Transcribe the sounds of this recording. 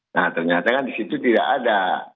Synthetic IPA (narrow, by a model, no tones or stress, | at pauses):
nat̪ərɲat̪akandisit̪ut̪ida̰ʔada